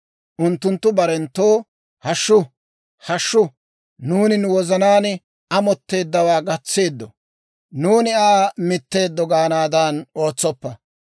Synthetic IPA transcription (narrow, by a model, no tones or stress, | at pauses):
ʔʊnt̪ːʊnt̪ːʊbɐɾɛnt̪ːoː | hɐʃːʊ | hɐʃːʊ | nuːnɪnʊwɔzɐnaːn | ɐmɔt̪ːe̞ːd̪ːɐwaːɡɐt͡sːe̞ːd̪ːɔ | nuːnɪaːmɪt̪ːe̞ːd̪ːɔɡaːnaːd̪ɐno̞ːt͡sːɔpːɐ